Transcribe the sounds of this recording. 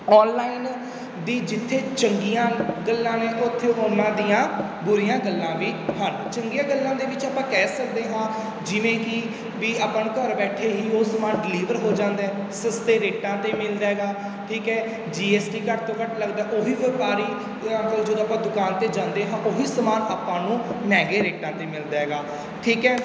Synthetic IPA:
ɔːnlaːin | d̪iːd͡ʒɪt̪ʰːeːt͡ʃəŋɡijãːɡəlːãːneːʔot̪ʰːeːoːnãːd̪ijãː | bʊɾijãːɡəlːãːʋiːhəɾ | t͡ʃəŋɡijãːɡəlːãːd̪eːʋɪt͡ʃaːpãːkɛːsəkd̪eːɦãː | d͡ʒɪʋẽːkɪ | ʋiːaːpəɳkəɾbɛːʈʰeːɦiːoːsəmaːɖɪliːʋəɾɦoːd͡ʒãːnd̪aːɦɛː | səst̪eːɾeːʈãːt̪eːmɪld̪aːɦɛːɡaː | ʈʰiːkɛː | d͡ʒiːɛːsʈiːkəʈ̚t̪õːkəʈləɡd̪aːʔoːɦiːʋəpaːɾiː | əŋkəld͡ʒeːd̪oaːpãːd̪ʊkaːnt̪eːd͡ʒãːnd̪eːɦãːʔoːɦiːsəmaːnaːpãːnũːnɛːɡeːɾeːʈãːt̪eːmɪld̪aːɦɛːɡaː | ʈʰiːkɛː

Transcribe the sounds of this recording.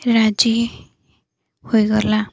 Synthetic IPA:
ɾad͡ʒi | hojɡɔla

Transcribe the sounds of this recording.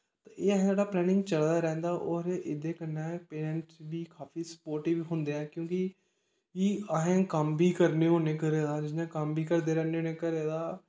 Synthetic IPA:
t̪aeːɦd͡ʒaːɽaːplɛːnɪ̃ŋɡt͡ʃəld̪aːɾɛ̃ːnd̪aːʔɔːɾed̪eːkənːaːpeːnɛ̃ɳʈsbiːkʰaːfiːsə̥poːɾʈiːʋiɦʊnd̪eːɛ̃ːkjõːkɪ | iːəɦɛ̃ːkəmbʱiːkəɾneːɦoːneːkəɾeːd̪aːd͡ʒɪsnẽːkəmbʱiːkəɾd̪eːɾɛːneoːneːkəɾeːd̪aː

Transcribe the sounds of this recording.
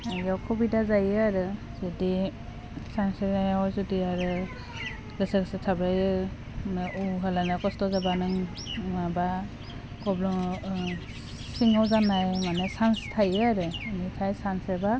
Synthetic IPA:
jawkʰɔbidazajaɾɯ | zɯdi | sansenajawzɯdiaɾɯ | ɡɯseksɯtʰabɯj | nɯʔuɦalanɯkɔstɔzabanɯŋ | maba | kɔblɔ | siŋawzanajmanesanstʰajɯɾɯnitʰajsanseba

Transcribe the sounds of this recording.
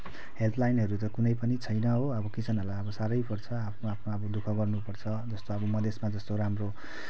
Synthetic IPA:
helt̪ʰlajnɦʌɾut̪ʌkunʌjpʌnit͡sʰʌjnʌɦoʌbʌkit͡sʰʌnʌlaʌbʌsaɾʌjpʌrt͡sʰʌapʰːpʰnaʌbʌd̪ukʰʌɡʌrnupʌrt͡sʰʌd͡zʌst̪oʌbʌmʌd̪ʱesmad͡zʌst̪oɾamro

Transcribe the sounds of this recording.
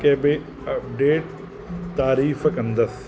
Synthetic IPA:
keːbe | ɐp̚ɖeːʈ̚ | t̪aːɾiːfɐkɐ̃nd̪ɐs

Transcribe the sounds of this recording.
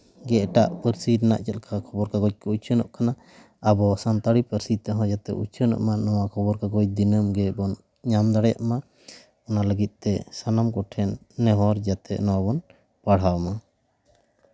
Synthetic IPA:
ɡɛʈaʔpəɾsiɾna̰ʔt͡ʃət̪̚kʰakʰɔbɔɾkaɡɔc̚kɔut͡ʃʰənɔ̰ʔkana | abɔsant̪aɽipəɾsit̪ɛɦɔ̃d͡ʒat̪ɛ̰ʔut͡ʃʰənɔ̰ʔmanɔwakʰɔbɔɾkaɡɔc̚d̪inəmɡɛbɔn | ɲamd̪aɽɛja̰ʔma | ɔnaləɡit̪̚ˀt̪ɛsanamkɔʈʰɛnː | ɛɦɔ̃ɾd͡ʒat̪ɛ̰ʔnɔwabɔn | paɽ̤ɦawma

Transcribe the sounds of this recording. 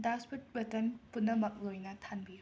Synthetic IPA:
dasput̚wetɐnpunːɐmɐk̚lojnɐtʰanbi

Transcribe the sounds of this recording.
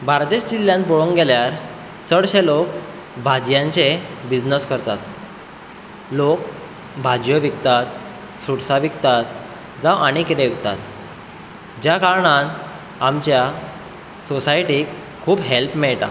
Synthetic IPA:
baɾd̪eɕd͡ʑiljãnpoɭuŋɡeljaɾ | t͡səɽɕelok | bʱad͡ʑjãɲt͡sebid͡znəskəɾt̪at̪ | lok | bʱad͡ʑjəʋikt̪at̪ | suɽsaʋikt̪at̪ | d͡zaʋʔañikiɾeʋikt̪a̰t̪ | d͡ʑjakaɾɳan | amt͡ɕja | sosajʈikʰː | uːbɦelpmeɭʈa̰

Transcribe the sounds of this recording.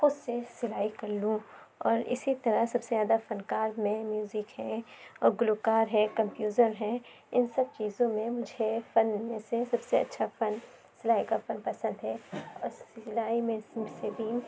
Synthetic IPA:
xʊd̪sesɪlaːikɐɾlũ | ɔːɾɪ̰sit̪ɐɾasɐbsezaːd̪afɐnkaːɾmẽmjuːzɪkɦɛ̃ɔːɾɡʊlukaːɾɦɛ̃kɐ̃mpjuːzəɾɦɛ̃ | ɪnsɐb̚t͡ʃiːzõmẽmʊd͡ʒʱefɐnmẽsesɐbseɐ̰tːʃʰafɐn | sɪlaːikafɐnpɐsə̃nd̪ɦɛːɔːɾsɪɪlaːimẽssebʱi

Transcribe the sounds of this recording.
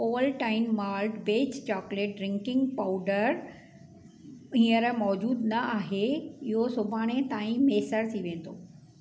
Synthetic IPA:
oːlʈaːɪnmaːlʈbeːt͡ɕt͡ɕɔːkleːʈ̚ɖɾɪ̃ŋkɪ̃ŋɡpaʊɖəɾ | ĩːəɾmɔːd͡ʑuːd̪nɐaːɦeɪɦosʊbʱaːɽ̃et̪ãːĩmeːsəɾt̪ʰiʋẽːn̆d̪oː

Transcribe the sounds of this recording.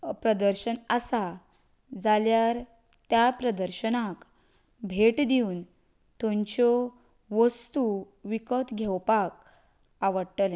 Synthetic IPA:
pɾəd̪əɾɕənəsa | d͡zaljaɾ | t̪japɾəd̪əɾɕənak | bʱeʈd̪iun | t̪õɲt͡ɕɔ | ʋəst̪u | ʋikət̪ɡʱɛwpak̚ | aʋəɽʈəl

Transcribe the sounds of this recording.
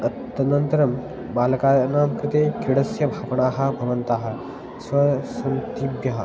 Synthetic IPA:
ɐt̪ːɐnɐnt̪ɐɾɐm | baːlɐkaːnaːmkɾɪt̪eːkiɽɐsjɐbʱaːʋɐɳaːɦɐ̆bʱɐʋɐnt̪aːɦɐ̆ | sʋɐsɐnt̪ibjɐɦɐ

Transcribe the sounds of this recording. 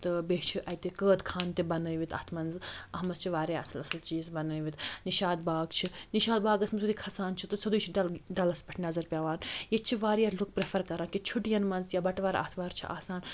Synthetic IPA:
t̪ɨbeːt͡ʃʰiʔɐjt̪ekəːd̪kʰaːnt̪ebɐnəːjʋit̪ɐ̰t̪ʰmɐnzɐɦmɐst͡ʃʰiʋaːɾeːɐsɐlɐsɐlt͡ʃiːzbɐnəːjʋit̪niʃaːd̪baːɡt͡ʃʰiniʃaːd̪baːɡɐsmɐsʰud̪iːkʰɐsaːnt͡ʃʰit̪ɨsʰɐd̪ujt͡ʃʰiɖɐlɖɐlɐspɐʈʰnɐzɐɾpʲaːʋaːnjet͡ʃʰiʋaːɾjaːluk̚pɾefʰɐɾkɐɾãːkit͡ʃʰuʈijɐnmɐnzjabɐʈʋaːɾa̰ːt̪ʰʋaːɾt͡ʃʰḭʔa̰ːsaːn

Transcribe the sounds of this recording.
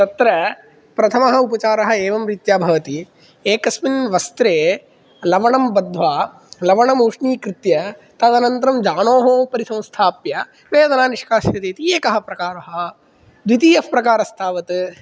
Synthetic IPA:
t̪ɐt̪ɾɐ | pɾɐt̪ʰɐmɐɦɐupɐt͡ʃaːɾɐɦɐ̆eːʋɐmɾit̪jaːbʱɐʋɐt̪i | eːkɐsminʋɐst̪ɾeː | lɐʋɐɳɐmbɐd̪ʱːʋaː | lɐʋɐɳɐmuːʂɳiːkɾɪt̪jɐt̪ɐd̪ɐnɐnt̪ɾɐmd͡ʒaːnoːɦɐpɐɾisɐ̃w̃st̪ʰaːpjɐ | ʋeːd̪ɐnaːniʂkaːʃjɐt̪eːt̪ieːkɐɦɐpɾɐkaːɾɐɦɐ | d̪ʋit̪iːɐfpɾɐkaːɾɐst̪ʰaːʋɐt̪

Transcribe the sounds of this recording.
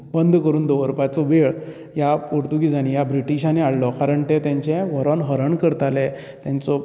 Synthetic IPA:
bənd̪ʱkəɾuːnd̪oʋəɾpat͡sɔʋeɭ | japoɾt̪uɡid͡zañijabɾiʈiɕaneaɽlɔkaɾəɳʈɛ̃t̪jãɲt͡ɕɛ̃ʋəɾɔnɦəɾəɳkəɾt̪alɛ | t̪jãnt͡sɔ

